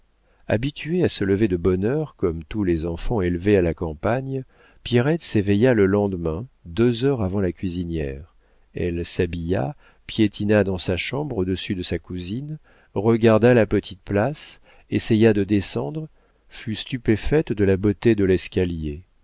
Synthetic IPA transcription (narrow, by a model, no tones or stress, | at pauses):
a̰bit̪yeasələved̪əbɔnœʁkɔmt̪ulezɑ̃fɑ̃elvealakɑ̃paɲ | pjeʁɛt̪sevɛjaləlɑ̃d̪mɛ̃d̪øzœʁavɑ̃lakʲɥizinjɛʁ | ɛ̰lsabija̰ | pjet̪ʰinad̪ɑ̃saʃɑ̃bʁod̪əsyd̪əsakuzin | ʁəɡaʁd̪alapət̪ʰit̪̚plas | esejad̪əd̪esɑ̃d̪ʁ | fyst̪ypefɛt̪d̪əlabot̪ed̪əlɛskʲalje